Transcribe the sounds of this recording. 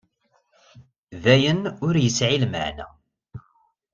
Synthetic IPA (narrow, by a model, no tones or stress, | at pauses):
ðæjənʊɾjəsʕilməʕnæ̰